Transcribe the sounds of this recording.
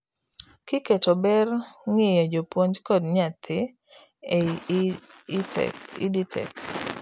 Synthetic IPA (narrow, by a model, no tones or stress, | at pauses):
kɪketobɛrŋɪjɔd͡ʒopwoɲd͡ʒkodɲɪat̪ʰɪ | e | ḭditʰɛ̰k